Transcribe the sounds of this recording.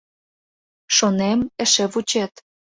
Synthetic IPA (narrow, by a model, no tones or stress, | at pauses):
ʃonemə̆ʃĕβut͡ɕet̪